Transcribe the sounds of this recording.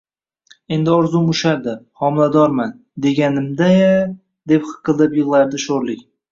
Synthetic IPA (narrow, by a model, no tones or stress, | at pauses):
e̞nd̪ɪɒɾzʊmʊʃaɾd̪ɪhɒmɪlad̪ɒɾman | d̪e̞ɡʲanɪmd̪a | d̪e̞pχɨ̥qʰɨlˠɪpjɨʁlˠaɾd̪ɪʃoɾlɪkʲ